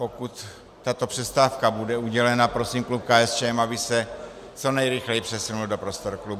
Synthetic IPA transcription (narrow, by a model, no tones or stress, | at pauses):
po̞kut̪ː | at̪o̞pr̥ɛst̪aːfkabudɛuɟɛlɛnapɾo̞siːmklup̚kaːɛst͡ʃɛmabɪsɛ | t͡so̞nɛjɾɪxlɛjpr̥ɛsunuldo̞pɾo̞st̪oɾklubu